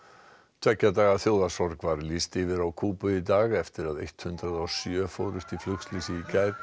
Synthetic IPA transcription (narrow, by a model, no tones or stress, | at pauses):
t͡ɕʰɛcːat̪aːɣaθjoːwðasɔɾkvaɾlist̪ɪvɪɾawkʰuːpʏit̪aːɣɛft̪ɪɾaðḛjht̪hʏnt̪ɾaðawsjœːfowɾʏst̪iflʏkslisɪicaːjt̪